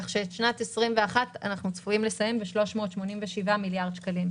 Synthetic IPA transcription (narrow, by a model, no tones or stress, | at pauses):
kaχʃeːtʃnatesʁimveaχata̰naχnut͡sfuimlesajembeʃlo̞ʃmo̞ːtʃmo̞ninveʃivamiljaʁd̪ʃkalim